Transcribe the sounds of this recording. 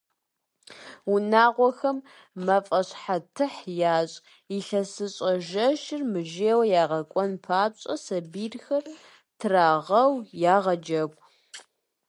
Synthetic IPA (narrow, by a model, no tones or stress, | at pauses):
unaːʁʷɔxɐmː | ɐfʼɐɕħatʰɨħjaːɕʼ | iɬɐsɨɕʼɐʒɐʃɪrmɨʒeːwɐjaːʁɐkʷʼɔnpʰaːɕʼɐsɐbiːrxɐr | tʰɨraːʁɐwjaːʁɐd͡ʒɐkʷʼ